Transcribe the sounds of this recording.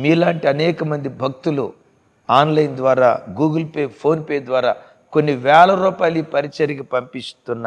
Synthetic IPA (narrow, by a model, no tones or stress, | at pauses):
miːlaːɳʈiɐnɛːkɐmɐnd̪ibʱɐk̚t̪ulṵ | aːnlɐjnd̪ʋaːɾa̰ːɡuːɡɐlpeːpʰo̞ːnpeːd̪ʋaːɾaː | konːiʋɛːlɐɾuːpaːjlipɐɾit͡ʃɐɾiɡɐpɐmpist̪unːa